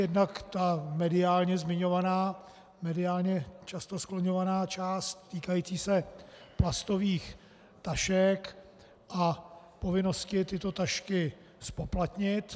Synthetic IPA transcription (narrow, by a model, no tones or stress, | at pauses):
jɛdnakt̪amɛdɪaːlɲɛzmɪɲo̞vanaː | mɛdɪaːlɲɛt͡ʃast̪o̞skloɲovanaːt͡ʃaːst̪ːiːkajiːt͡siːsɛplast̪o̞viːx | t̪aʃɛk | ʔa | po̞vɪno̞scɪt̪ɪt̪o̞t̪aʃkɪ | spoplat̪ɲɪt̪